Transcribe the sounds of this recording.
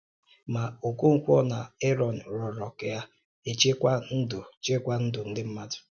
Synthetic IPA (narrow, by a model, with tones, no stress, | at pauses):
ma˨o˨ku˦ŋ̩˨kʷɔ˦na˨e˦ɾɔ˨n̩˨ɾɔ˨ɾɔ˨kɪ˨ja˦ | e˨t͡ʃe˦kʷa˦n̩˦dʊ˨t͡ʃe˦kʷa˦n̩˦dʊ˨n̩˦dɪ˦m̩˦ma˦dʊ̥˨